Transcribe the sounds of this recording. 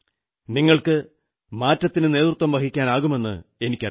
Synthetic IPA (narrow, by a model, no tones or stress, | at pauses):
niŋːɐɭkɨ | maːtːɐt̪ːinɨne̞ːt̪rut̪ːʋɐmʋɐkikʲːaːnaːɣume̞nːɨ̰e̞nikʲːɐ